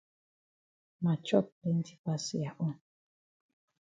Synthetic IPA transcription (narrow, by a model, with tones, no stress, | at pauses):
ma˨t͡ʃɔ˦˨p̚lɛ˨˦n̩˦ti˦pa˦si˨ja˨ʔɔ˦